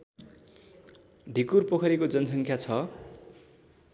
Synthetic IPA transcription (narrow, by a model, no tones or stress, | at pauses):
d̪ʱikurpokʰʌɾikod͡zʌnʌs̬ʌŋkʰjat͡sʰʌ